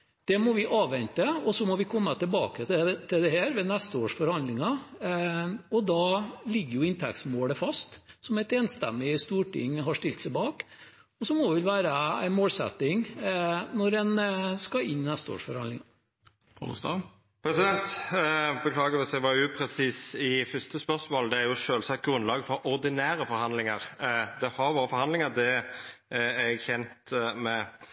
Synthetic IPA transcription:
d̪̥ɛmɔʋɪʔɑːʋʋɛnt̪əɔsɔmɔʋɪkʰɔmːət̪ʰɪlbɑ̰ːkət̪ʰɪld̪ɛheːɾʋɛnɛst̪əoːʂfɔɾhɑnd̪lɪŋɑ | ɔd̪ɑlɪɡːəɾjʊɪnt̪ʰɛ̰k̚t̪smoːləfɑst̪sɔmæɪt̪eːnst̪ɛ̰mːɪst̪uːʈɪ̰ŋːɦɑʂʈɪlt̪sɛɪbɑːk | ɔsɔmɔd̪ʋɪlʋæːɾəæ̰ɪnmoːlsɛ̰t̪ːɪŋ | nɔɾɛnskɑɪnːnæst̪əo̰ːʂfɔɾhɑnd̪lɪŋɑ̰ | t̪ɑ̰ | pʰɾɛsɪd̪ɛnt̪ | bəkʰlɑːɡəʋɪsɛɪʋɑːʉpʰɾɛsiːsɪfʏst̪əspœʁsmoːld̪ɛæɾjʊʃøːlsɑt̪̚ɡɾʉnlɑːɡfɔɾʔɔɾd̪ɪnæːɾəfɔɾhɑnd̪lɪŋəʁd̪ɛhɑɾʋoːɾəfɔɾhɑnd̪lɪŋəɾd̪ɛ | æɛɡçɛnt̪mɛ

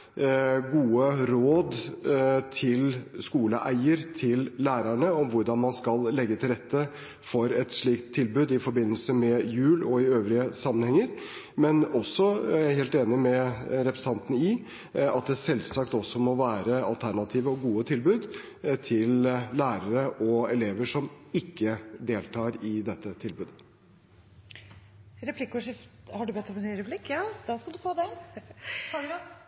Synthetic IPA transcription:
ɡuːəɾoːd̪ | t̪ʰɪlskuːləʔæɪəɾt̪ʰɪlːæːɾəɳəɔʋʊɾɖɑnmɑnskɑlːɛɡːət̪ʰɪlɾɛt̪ʰːə | fɔɾɛt̪ʂɭiːkt̪ʰːɪlbʉːd̪ɪfɔɾbɪnːəlsəmɛjʉːlɔɪøːʋɾɪəsɑmːənhɛŋːəɾ | mɛnɔsːɔjæɪheːlt̪eːnɪmɛɾɛpʰɾəsəɑnt̪ənəi | ɑt̪̚d̪ɛsɛlsɑkt̪ɔsːɔmɔʋæːɾəɑlt̪ʰæɳɑt̪ʰiːʋəɔɡuːət̪ʰɪlbʉːd̪ | t̪ʰɪllæːɾəɾəʔɔɛleːʋəʂɔmɪkːəd̪eːlt̪ʰɑːɾɪd̪ɛt̪ːət̪ʰɪlbʉːd̪ə | ɾɛplɪkːɔʂɪft̪hɑɖʉbɛt̪ːɔmɛnyɾɛpʰlɪkːɑd̪ɑskɑld̪ʉfoːd̪ɛ

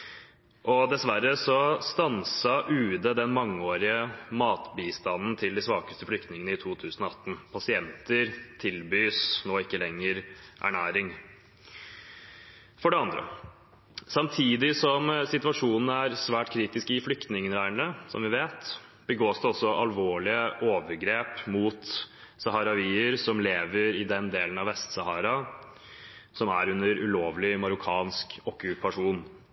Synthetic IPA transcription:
ʔɔd̪ɛsʋæɾəsɔst̪ɑnsɑʔʉːd̪əd̪ɛnmɑŋːəoːɾɪəmɑːt̪biːst̪ɑnːn̩t̪ʰɪld̪ɪsʋɑːkəst̪əflʏkt̪nɪŋənəɪt̪ʰuːt̪ʰʉːsnɔɑt̪ːn̩pʰɑsɪɛnt̪əɾt̪ʰɪlbyːsnoːɪkːəlɛŋːəɾʔæ̰ɳæːɾɪŋ | fɔɖɛɑnd̪ɾə̰ | sɑmt̪ʰiːd̪ɪsɔmsɪt̪ʉɑʂuːnn̩əæɾsʋæːʈkʰɾiːt̪ɪskɪflʏkt̪nɪŋənɾæɪɳəsɔ̰mʋɪʋeːt̪b̥əɡoːsd̪ɛɔsːɔʔɑlʋoːɭɪəʔoːʋəɾɡɾeːpmuːt̪ | sɑɦɑːɾɑʋiːəɾsɔmleːʋəɾɪd̪ɛnd̪eːlənɑʋɛst̪sɑhɑːɾɑ | sɔmæɾʉnːəɾʉloːʋlɪmɑɾʊkʰɑːnskɔkʉpɑʂuːn

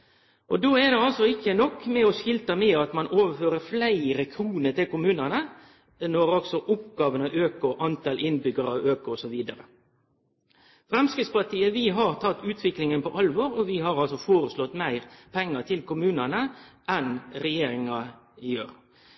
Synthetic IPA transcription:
ʔɔd̪oːɛd̪ɛɑlsɔɪkːənɔkːmɛɔʃɪlt̪əmɛːɑt̪mɑnoːʋəføːɾəɾflæɪɾəkʰɾuːnəɾt̪ɪlkʊmʉːnənə | nɔɾɔksɔʔʊpɡɑːʋənɑʔøːkʊʔɑnt̪ɑlʔɪnbʏɡəɾɑʋøːkʊɔsɔʋiːd̪əɾə̰ | fɾɛmskɾɪːt̪spɑt̪ʰiːəʋɪɦɑɾt̪ʰɑt̪ːʉːt̪ʰʋɪklɪŋənpɔ̰ʔɑlʋoːɾɔʋɪɦɑɾɑlsɔfoːɾəslɔt̪ːmæɪɾpʰɛŋːət̪ʰɪlkʊmʉːnənəʔɛnɾɛjeːɾɪŋɑɪøːɾ

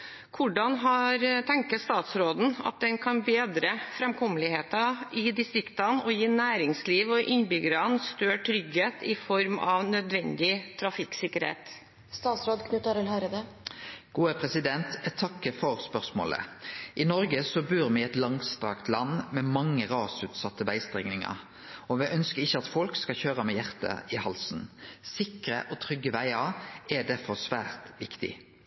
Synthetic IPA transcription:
kʰʊɖɑnɦɑɾt̪ʰɛŋkəst̪ɑːt̪sɾoːd̪n̩ɑ̰t̪̚d̪ɛnkʰɑnbeːd̪ɾəfɾɛmkʰɔməlɪheːt̪ɑɪd̪ɪst̪ɾɪkt̪ɑnɔjiːnæːɾɪŋsliːʋɔʔɪnbʏɡəɾɑnst̪øːʈʰɾʏɡheːt̪ɪfɔɾmɑ̰ʋnœd̪ʋɛnd̪ɪt̪ʰɾɑfɪksɪkːəɾhḛːt̪ | st̪ɑːt̪sɾoːd̪kʰnʉt̪əɾəlhɑɾəd̪ə | ɡ̥uːəpʰʁɛsɪd̪ɛnt̪t̪ʰɑkːəfɔɾspœʁsmo̰ːlə̰ʔɪnɔɾɡəsɔbʉːʁmɛɛt̪lɑŋst̪ʁɑkt̪lɑnːmɛmɑŋːəɾɑːsʉːt̪sɑt̪ːəʋæɪst̪ʁɛŋnɪŋə̰ʁ | ɔʋɛʔœnskəɾɪçːəɑt̪fɔlkskɑçøːʁəmɛjæʁt̪ə̰ɪhɑlsn̩sɪkɾə̰ʔɔt̪ʰʁʏɡːəʋæɪɑɾɛd̪æʁfɔsʋæːʁt̪ʋɪkt̪ɪ̰

